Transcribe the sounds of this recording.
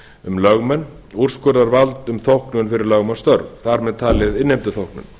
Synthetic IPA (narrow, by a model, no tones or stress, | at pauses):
ʏmlœɣmɛnː | ur̥skœɾðaɾvalt̪ʏmθowhknʏʏnfɪɾɪɾlœɣmast̪œɾvθaɾmɛðt̪ʰaːlɪðɪnːejmt̪ʏθowhknʏ̰n